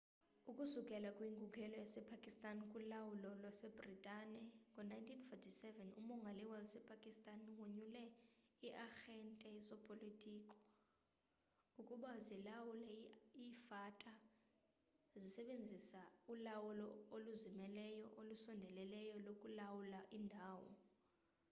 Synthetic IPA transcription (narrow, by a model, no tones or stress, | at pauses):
ukʼusukʼɛlakʼwiːŋkʼukʰɛlɔjasɛpʰakʼistʼankʼulawulɔlwasɛbritʼanɛkunajntʰinfɔtʰisɛvɛnṵmɔŋɡʱaliwɛlsɛpʰakʼistʼanwuɲulɛiʔaxɛntʼɛisɔpʼolitʰʼiːkʼɔ̥ | ukʼuɓazilawulɛifatʼa | zisɛɓend͡zʱisaulawulɔoluzimɛlɛjɔʔolusɔndʱɛlɛlɛjɔlokʼulawulaʔindʱaːwɔ̰